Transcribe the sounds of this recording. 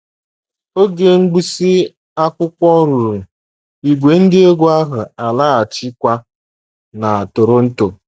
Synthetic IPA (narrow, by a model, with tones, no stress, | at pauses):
o˦ɡe˨ŋ̩˦ɡ͡bu˦si˦ | a˦kʷʊ˦kʷɔ˦ɾu˨ɾu˨ | i˨ɡʷe˨n̩˦dɪ˦e˦ɡʷu˦a˦ɦʊ˨a˨la˦a˨t͡ʃɪ˦kʷa˦ | na˨a˨to˨ɾo˦n̩˦to˨